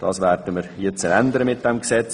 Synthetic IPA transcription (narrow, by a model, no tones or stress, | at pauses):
d̥ɑːsʋɛɾdəmiɾjɛt͡sənænd̪əɾəmɪt̚d̥ɛmksɛt͡s